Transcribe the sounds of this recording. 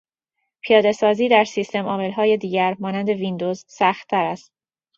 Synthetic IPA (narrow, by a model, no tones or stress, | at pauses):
pʰijɒːd̪e̞sɒːziːd̪æɾsist̪e̞mɒːme̞lɦɒːje̞d̪iːɟæɾmɒːnænd̪e̞vind̪o̞zsæxt̪ʰːæɾæst̪̚